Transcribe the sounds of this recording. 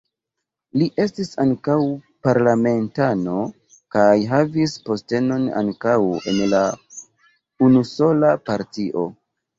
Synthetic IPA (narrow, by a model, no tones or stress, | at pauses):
liʔe̞stisaŋkaw | paɾlame̞ntano̞ | kajɦavispo̞ste̞no̞na̰ŋkawe̞̰nla | unuso̞lapaɾtiʔo̞